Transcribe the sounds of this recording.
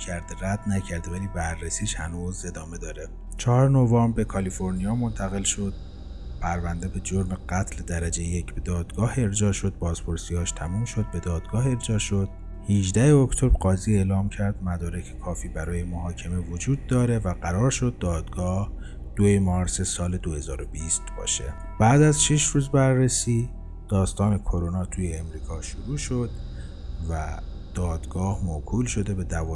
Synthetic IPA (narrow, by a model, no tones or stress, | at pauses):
cʰæɾd̪eɾæd̪næcʰæɾd̪evæliːbærːesiːʃhænuːze̞d̪ɒːme̞d̪ɒːɾe | t͡ʃʰɒːɒɾenovɒːmbe̞kʰɒliːfo̞ɾnijɒːmo̞nt̪ʰæɣe̞lʃo̞d̪̥̚ | pʰæɾvænd̪e̞be̞d͡ʒoɾmeɡæt̪ʰled̪æɾæd͡ʒejjecʰbe̞d̪ɒːd̪̥ɡɒːhe̞ɾd͡ʒɒːʃo̞d̪̚bɒːz̥pʰo̞ɾsiːhɒːʃt̪ʰæmuːmʃo̞d̪̚be̞d̪ɒːd̪̥ɡɒːɦe̞ɾd͡ʒɒːʃo̞d̪̥̚ | hiʒd̪æheocʰt̪ʰo̞bɾɢɒːzie̞lɒːmcʰæɾd̪̥̚mæd̪ɒːɾecʰekʰɒːfiːbæɾɒːje̞moɦɒːcʰe̞mevod͡ʒuːd̪ːɒːɾe̞væɢæɾɒːɾʃo̞d̪̚ːɒːd̪̥ɡɒːh | d̪̥oemɒːɾsesɒːle̞d̪ohe̞zɒːɾo̞biːst̪bɒ̰ːʃe̞̰ | b̥æːd̪æzʃiʃɾuːzbæɾːesiː | d̪̥ɒːst̪ɒːne̞kʰo̞ɾonɒːt̪ʰuːjeːmɾiːkʰɒːʃoɾuːʃo̞d̪̥̚ | væ | d̪̥ɒːd̪̥ɡɒːhmokʰuːlʃo̞d̪e̞be̞d̪ævɒː